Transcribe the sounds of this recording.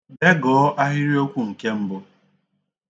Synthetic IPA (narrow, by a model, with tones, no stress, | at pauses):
be˦ɡɔː˨˦ʔa˦ɦɪ˦ɾi˦o˦kʷu˦ŋ̩˨ke˦m̩˦bʊ˦